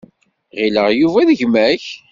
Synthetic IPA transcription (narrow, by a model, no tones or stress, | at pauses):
ʁiləʁjuvæðəʝmæç